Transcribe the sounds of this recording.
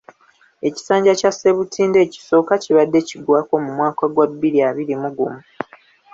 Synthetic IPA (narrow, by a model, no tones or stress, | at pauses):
e̞ci̥saːɲɟacase̞βutʰiːnde̞ːci̥so̞ːkaciβadːe̞ciɡwaːko̞mumwaːkaɡwabːiɾiaβiɾimuɡumu